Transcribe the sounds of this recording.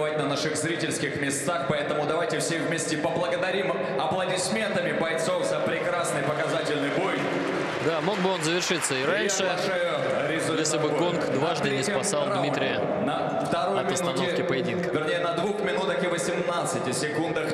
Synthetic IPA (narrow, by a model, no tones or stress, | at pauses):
vat̚ʲnɐnaʂɨɣzɾʲitʲɪlʲskʲɪxmʲɪst̪axpɐɛt̪əmʊd̪ɐvajtʲɪfsʲevʲmʲesʲtʲɪpəblˠəɡəd̪ɐɾʲim | ɐplˠədʲɪsʲmʲe̞nt̪əmʲɪbɐjt̪so̞fzəpɾʲɪkɾasnɨjpəkɐzatʲɪlʲnɨjboj | d̪amo̞ɡ̚bɨo̞nzəvʲɪrʂɨt̪sːəiɾanʲʂɨʂɨ | ɾʲɪzʊjeslʲɪbɨɡo̞nkd̪vaʐd̪ɨnʲɪspɐssalˠd̪mʲit̪ɾʲɪjə | nɐ | ft̪ɐɾojɐmʲɐsnunoɪfkʲɪpəjɪdʲinkəvʲɪrnʲejənɐd̪vuxmʲɪnut̪əxɪvəsʲɪmnat̪sɨtʲɪsʲɪkund̪əx